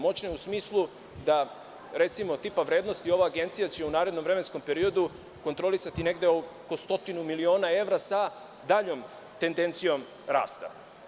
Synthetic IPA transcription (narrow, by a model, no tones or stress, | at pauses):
mo̞t͡ɕneusmiːslˠu | d̪a | ɾe̞t̪simo̞t̪ipaʋɾe̞ːd̪no̞st̪io̞ʋaːɡe̞nt̪sijat͡ɕe̞unaːɾe̞d̪no̞mvɾe̞me̞nsko̞mpe̞ɾio̞d̪u | ko̞nt̪ɾo̞lisat̪ine̞ɡd̪e̞oko̞st̪o̞t̪inumilio̞ːnae̞ʋɾasa | d̪aʎo̞ːm | t̪e̞nd̪e̞nt̪sijo̞m | ɾa̰ːst̪a̰